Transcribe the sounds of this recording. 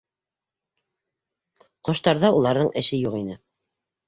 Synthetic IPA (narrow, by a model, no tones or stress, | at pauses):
qŏʃt̪ɑɾðɑulˠɑɾðɤɴʔɘ̆ʃɘjuqinɘ